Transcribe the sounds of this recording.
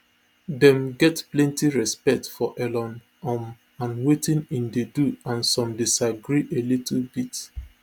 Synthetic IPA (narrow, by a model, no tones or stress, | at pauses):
dɛ̃mɡɛtplɛ̃ntiɹɛspɛk̚tfɔʔɛlɔ̃n | ɔm | ãnwetĩnĩndeduãnsɔ̃mdisaɡɹiʔelitʰl̩bit